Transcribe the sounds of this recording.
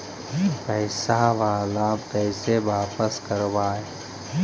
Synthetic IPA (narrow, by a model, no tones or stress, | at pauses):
pəːsaʋaːlaːmkəːɪseʋaːpəskəɾoʋaːɦe